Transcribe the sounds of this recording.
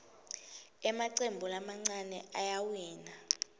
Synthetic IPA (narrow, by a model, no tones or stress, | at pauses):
ɛmaǀembʱulamaŋ͡ǀanɛ̰ajawiːna